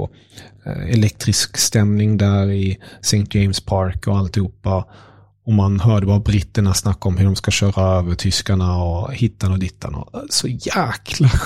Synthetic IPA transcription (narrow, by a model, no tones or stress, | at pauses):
ɛlɛk̚t̪ɾɪskst̪ɛmnɪŋd̪æːɾɪsɛŋt̪̚d͡ʒɛɪmspʰaɾkɔalt̪ɪhuːpːa | ɔmanhœːɖəbɑːɾabɾɪt̪ːəɳasːnakːɔmɦɵɖɔmskaɕœːɾaøːvəʈʰʏskaɳaɔhɪt̪ːanɔd̪ɪt̪ʰːa̰nɔ̰sɔjæːkʰla